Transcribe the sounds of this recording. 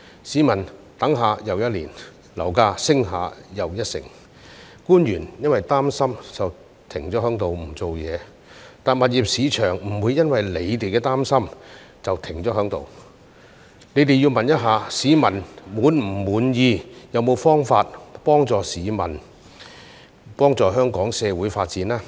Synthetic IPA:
siː˨˧˥mɐ˨˩n | t̪ɐ˨˥ŋɦaː˨˧jɐ˨wjɐ˥t̚liː˨˩n | lɐ˨˩wkaː˧sɪ˥ŋɦaː˨˧jɐ˨wjɐ˥t̚sɪ̰˨˩ŋ | kuː˥njyː˨˩njɐ˥nwɐ˨jt̪aː˥msɐ˥mt͡sɐ˨w | t̪ʰɪ˨˩ŋt͡sɔː˨˥ɦœː˨˥ŋt̪o˨wm̩˨˩t͡so˨wjɛ̰ː˨˧ | t̪aː˨nmɐ˨t̚jiː˨p̚siː˨˧t͡ʃʰœː˨˩ŋm̩˨˩wuː˨˧jːɐ˥nwɐ˨jle˨˧jt̪e˨jkɛː˧t̪aː˥msɐ˥m | t͡sɐ˨wt̪ʰɪ˨˩ŋt͡ɕɔː˨˥hœː˨˥ŋt̪o̰˨w | ne˨˧jt̪e˨ji˧wmɐ˨njɐ˥t̚ɦaː˨˧siː˨˧mɐ˨˩nmuː˨˥nm̩˨˩muː˨˥njiː˧jɐ˨wmo˨˧wfɔː˥ŋfaː˧t̚pɔː˥ŋt͡sɔː˨siː˨˧mɐ̰˨˩n | pɔː˥ŋt͡sɔː˨ɦœː˥ŋkɔː˨˥ŋsɛː˨˧wuː˨˥jfaː˧t̚t͡siː˨˥nlaː˥

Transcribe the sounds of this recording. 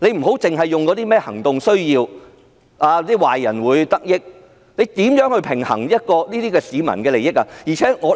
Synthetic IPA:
le˨˧jm̩˨˩ɦo˨˥wt͡sɪ˨ŋɦɐ˨jːʊ˨ŋkɔ˨˥t̪iː˥mɛː˥hɐ̰˨˩ŋt̪ʊ˨ŋsɵ˥ɥjiː˧w | ʔaː˧˥t̪iː˥waː˨jjɐ˨˩nwuː˨˧jt̪ɐ˥k̚jɪ˥k̚ | le˨˧jt̪iː˨˥mjœː˨˥ŋhɵ˧ɥpʰɪ˨˩ŋhɐ̰˨˩ŋjɐ˥t̚kɔː˧niː˥t̪iː˥kɛː˧siː˨˧mɐ̰˨˩nkɛː˧le˨˩jɪ˥k̚a˧jiː˨˩t͡sʰɛː˨˥ŋɔː˨˧

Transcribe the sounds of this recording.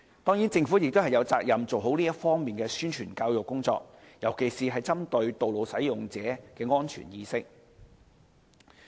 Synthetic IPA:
t̪ɔː˥ŋjiː˨˥nt͡sɪ˧ŋfu˨˥jɪ˨k̚t̪o˥hɦɐ˨jɐ˨˧wt͡saː˧k̚jɐ˨mt͡so˨wɦo˨˥wliː˥jɐ˥tfɔː˥ŋmiː˨nkɛː˧syː˥nt͡ʃʰyː˨˩nkaː˧wjʊ˨kːʊ˥ŋt͡sɔ̰ː˧k̚ | jɐ˨˩wkʰe˨˩jsiː˨˩ɦɐ˨jt͡sɐ˥mt̪ɵ˧ɥt̪o˨wlo˨˧wsɐ˨˥jjʊ˨ŋt͡sɛː˨˥kɛː˧ŋɔː˥nt͡ʃʰy̰ː˨˩njiː˧sɪ˥k̚

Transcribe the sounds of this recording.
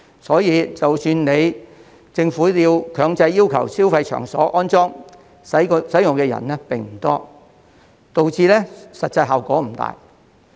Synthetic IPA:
sɔː˨˥jiː˨˧t͡sɐ˨wsyː˧nne˨˧j | t͡sɪ˧ŋfuː˨˥liː˨˧wkʰœː˨˧ŋt͡sɐ˧jːiː˥wkʰɐ̰˨˩wsiː˥wfɐ˧jt͡ʃʰœ̰ː˨˩ŋsɔ̰ː˨˥ʔɔː˥nt͡sɔː˥ŋ | sɐ˨˥jsɐ˨˥jʊ˨ŋkɛː˧jɐ̰˨˩nlɛː˥pɪ˨ŋm̩˨˩t̪ɔː˥ | t̪o˨wt͡siː˧lɛː˥sɐ˨t̚t͡sɐ˧jɦɐ˨˩wkɔː˨˥m̩˨˩t̪a̰ː˨j

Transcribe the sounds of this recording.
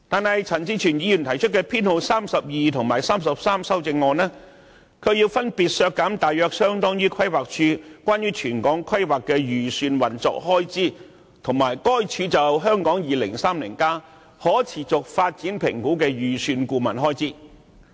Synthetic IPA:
t̪aː˨nhɐ˨jt͡sʰɐ˨˩nt͡siː˧˥t͡ʃʰyː˨˩njiː˨˧jyː˨˩nt̪ʰɐ˨˩jt͡ʃʰɵ˥t̚kɛː˧pʰiː˥nho˧wsaː˥msɐ˨p̚jiː˨t̪ʰʊ˨˩ŋmaː˨˩jsaː˥msɐ˨p̚saː˥msɐ˥wt͡sɪ˧ŋːɔː˧nɛː˥ | kʰɵ˨˧ɥjiː˧wfɐ˥npiː˨t̚sœː˧kːɐ˨˥mt̪aː˨jœː˧k̚sœː˥ŋt̪ɔː˥ŋjyː˥kʰɐ˥jwaː˨k̚t͡ʃʰyː˧kwʷaː˥njyː˥t͡ʃʰyː˨˩nkɔː˨˥ŋkʰwɐ˥jwaː˨kːɛː˧jyː˨˩syː˧nwɐ˨˩nt͡sɔ̰ː˧˥k̚hɔː˥jt͡siː˥˩ | t̪ʰʊ˨˩ŋmaː˨˩jkɔː˥jt͡ʃʰyː˨˧t͡sɐ˨wɦœː˥ŋkɔː˨˥ŋjiː˨lɪ̰˨˩ŋsaː˥mlḭː˨˩nkaː˥ | hɔː˨˥t͡sʰiː˨˩t͡sʊ˨k̚faː˧t̚t͡siː˨˥npʰɪ̰˨˩ŋkuː˨˥kɛː˧jyː˨˩syː˧nkuː˧mɐ̰˨˩nɦɔː˥jt͡siː˥

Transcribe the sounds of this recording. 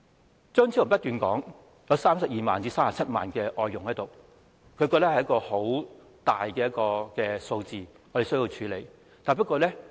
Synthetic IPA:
t͡sœː˥ŋt͡sʰi˥ʊ˨˩pɐ˥t̚t̪yː˨nkɔː˨˥ŋ | jɐ˨˧wsaː˥msɐ˨p̚jiː˨ma̰ː˨nt͡siː˧saː˥mːa˨t͡sʰɐ˥t̚ma̰ː˨nkɛː˧ʔɔː˧jːʊ˨˩ŋhɐ˨˥jt̪o˨˩w | kʰɵ˨˧ɥkɔ˧t̪a˥hjɐ˥kɔː˧ho˨˥w | t̪aː˨jkɛː˧jɐ˥t̚kɔː˧kɛː˧so˧wt͡siː˨ŋɔː˨˧e˨js̬ɵ˥ji˧wt͡ʃʰyː˨˧le˨˧j | t̪aː˨˩jp̬ɐ˥t̚kɔː˧lɛ˥

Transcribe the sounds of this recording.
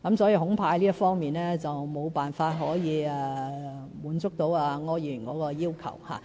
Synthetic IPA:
kɐ˨˥msɔː˨˥ji˨˧ɦʊ˨˥ŋpʰaː˧jliː˥ɐ˥tfɔː˥ŋmiː˨nɛː˥t͡sɐ˨wmo˨˧wpaː˨nfaː˧t̚ɦɔː˨˥jiː˨˧ɛ˨˧ | muː˨˥nt͡sʊ˥k̚t̪o˨˥waː˧ŋɔː˧˥jyː˨˩nkɔː˨˥kɔː˧jiː˥wkʰɐ̰˨˩wha̰ː˨˩

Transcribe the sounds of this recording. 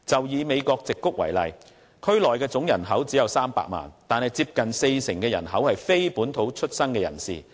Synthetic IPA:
t͡sɐ˨wjiː˨˧me˨˧jkɔː˧k̚t͡sɪ˨kːʊ˥k̚wɐ̰˨˩jlɐ̰˨j | kʰɵ˥ɥlɔː˨jkɛː˧t͡sʊ˨˥ŋjɐ˨˩nɦɐ˨˥wt͡siː˨˥jɐ˨˧wsaː˥mpa̰ː˧k̚ma̰ː˨˩nt̪aː˨nhɐ˨jt͡siː˧p̚kɐ˨nse˧jsɪ˨˩ŋkɛː˧jɐ˨˩nɦɐ˨˥whɐ˨jfe˥jpuː˨˥nt̪ʰo˨˥wt͡ʃʰɵ˥t̚sɐ˥nkɛː˧jɐ̰˨˩nsḭː˨˩

